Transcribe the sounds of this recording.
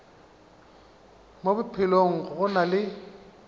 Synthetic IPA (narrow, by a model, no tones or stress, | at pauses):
mobʊpʰɪloŋ̩ɣʊɣʊnalɪ